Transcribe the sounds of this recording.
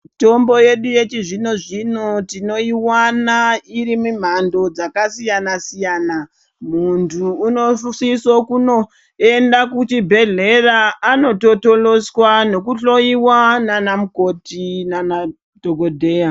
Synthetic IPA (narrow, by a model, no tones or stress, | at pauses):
to̞mbo̞je̞ɗuje̞t͡ʃiʐino̞ʐino̞tino̞iwanaiɾimum̤ando̞d͡zakasijanasijaːna | muntʰuːno̞sisokuno̞ | endakutibʱe̞ɮe̞raːno̞to̞to̞lo̞swano̞kuɬo̞iwananamuko̞tinana | dʱoɡo̞dʱeja